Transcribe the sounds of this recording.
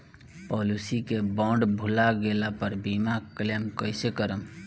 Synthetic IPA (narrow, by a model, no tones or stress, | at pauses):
pɔlusikebə̃ɳɖbʱulaɡelapəɾbimaklemkəɪsekəɾəm